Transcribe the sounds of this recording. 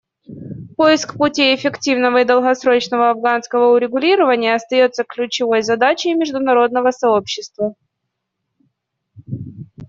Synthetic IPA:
po̞jɪskpʊtʲiɪfʲɪktʲivnəvəɪd̪əlˠɣɐsɾo̞t͡ɕnəvəɐvɡanskəvəʊɾʲɪɡʊlʲiɾəvənʲɪjəɐst̪ɐjo̞t̪sːəklʲʉt͡ɕɪvo̞jzɐd̪at͡ɕɪjmʲɪʐd̪ʊnɐɾo̞d̪nəvəsɐopɕːɪst̪və

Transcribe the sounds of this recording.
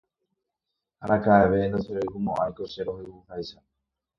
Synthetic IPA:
aɾakaeʋend̪oseɾekumõʔajkoseɾohewuhajsa

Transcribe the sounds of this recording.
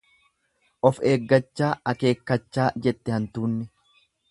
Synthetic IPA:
ʔɔfeːɡːɐt͡ʃːaːɐke̞ːkːɐt͡ʃːaːd͡ʒɛt̪ːɛhɐnt̪uːnːɛ

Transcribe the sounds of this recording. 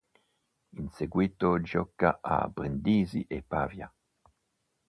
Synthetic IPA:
inseɡwit̪od͡ʒɔkːaʔa̰bɾend̪iːziʔepaːvja

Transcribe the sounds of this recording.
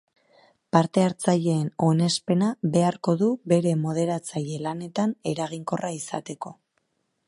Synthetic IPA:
paɾt̪e̞aɾt͡saʎe̞ːno̞ne̞spe̞naβe̞aɾko̞ðuβe̞ɾe̞mo̞ð̞e̞ɾat͡saʎe̞lane̞t̪ane̞ɾaɣ̞iŋko̞raisa̰t̪e̞ko̞

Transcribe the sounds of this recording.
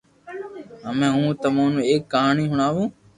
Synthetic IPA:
ɦəmẽːɦũːt̪əmãːnũːeːkːəɦaːɳiːɦʊɳaːʋũː

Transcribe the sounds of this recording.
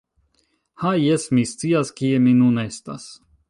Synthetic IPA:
hajesmist͡siaskieminune̞st̪a̰s

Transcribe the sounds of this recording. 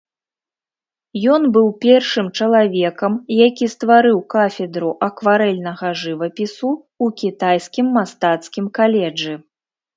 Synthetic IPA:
jɔnbɨwpʲɛrʂɨmt͡ʂɐlˠavʲɛkɐmjakʲist̪vaɾɨwkafʲɛd̪ɾuʔɐkvaɾɛlʲnɐɣɐʐɨvɐpʲisu | ukʲit̪ajskʲimːast̪at̪skʲimkalʲɛd͡ʐɨ

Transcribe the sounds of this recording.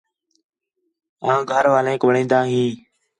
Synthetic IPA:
ãːɡʱəɾʋaːlẽːkʋəɳĩːnd̪aːɦĩː

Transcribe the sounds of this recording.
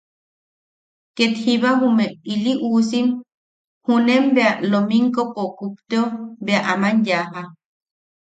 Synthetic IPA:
ket̪hiβaɦumeiliʔusim | hunembealomiŋkopokup̚t̪eobeaʔamanjaɦa

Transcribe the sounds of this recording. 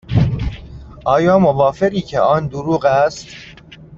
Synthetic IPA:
ʔɒːjɒːmovɒːfe̞ɣiːcʰḛɒːnd̪uɾuːɣæst̪

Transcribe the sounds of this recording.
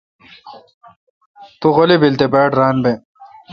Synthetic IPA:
t̪uɣolibilt̪epaːʈɾaːnbe

